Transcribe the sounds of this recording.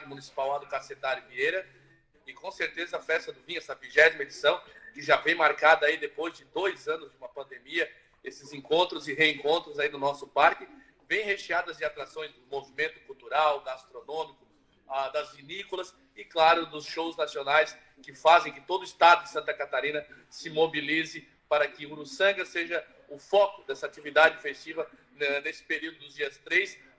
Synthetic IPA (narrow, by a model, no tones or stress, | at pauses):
d̪ʊmũnisi̥pawad̪ʊkaset̪aɾʊviejɾɐ | ɪkõseɾt̪ezɐfɛst̪ɐd̪ʊvĩɲʊɛsɐviʒɛzimɐed͡ʒisɐ̃w̃kɪʒavẽj̃maɾkad̪ɐaid̪epojzd͡ʒɪd̪ojzɐ̃nʊzd͡ʒɪũmɐpɐ̃nd̪emiɐ | esɪzẽŋkõnt̪ɾʊzɪɦeẽŋkõnt̪ɾʊzaid̪ʊnɔsʊpaɾkɪ | vẽj̃heʃead̪ɐzd͡ʒɪat̪ɾasõj̃zd̪ʊmovimẽnt̪ʊ̥kuwt̪uɾawɡast̪ɾonõmikʊ | ad̪ɐzvinikʊlɐs | ɪklaɾʊd̪ʊsʃowznasionajs | kɪfazẽj̃kɪt̪od̪ʊɪst̪ad̪ʊd͡ʒɪsɐ̃nt̪ɐkat̪aɾĩnɐ | sɪmobilizɪ | paɾɐkɪuɾusɐ̃ɡɐseʒɐ | ʊfɔkʊd̪ɛsɐat͡ʃivid̪ad͡ʒɪfest͡ʃivɐ | nɛnesɪ̥peɾiwd̪ʊd̪ʊzd͡ʒiɐst̪ɾejs